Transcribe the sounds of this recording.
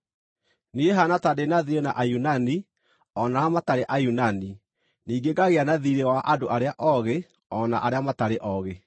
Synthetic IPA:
nieɦanatadenaðiɾenaʔajunani | ɔnaamataɾeʔajunani | niːɡeɡaɣeanaðiɾewaʔadoʔaɾeaʔɔɣe | ɔna̰ʔaɾeamataɾeʔɔɣe

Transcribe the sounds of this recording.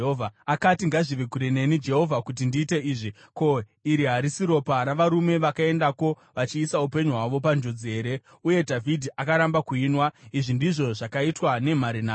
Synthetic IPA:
ɦovʱaakatiŋɡaʐiʋekuɾene̞nid͡ʒe̞ɦo̞vʱakut̬indiːte̞iːʐi | ko̞ | iɾiɦaɾisiɾo̞paɾaʋaɾume̞ʋakae̞ndako̞ | ʋat͡ʃiːsaupe̞ɲuɦwaʋo̞pand͡ʒod͡zie̞ːɾe̞ | uje̞dʱavʱidʱiʔakaɾambakuinwaiʐindiʐo̞ʐakaitwane̞m̤aɾinaː

